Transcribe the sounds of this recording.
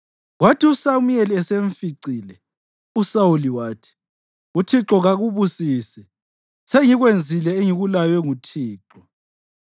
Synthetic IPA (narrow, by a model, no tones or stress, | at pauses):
ɣwatʰiusamujeliɛseɱfiǀiːlɛ | usawuliwaːtʰi̥ | utʰiǁɔɣaɣuβusiːsɛ | seŋiɣwend͡zʱilɛeŋiɣulajɛŋutʰiːǁɔ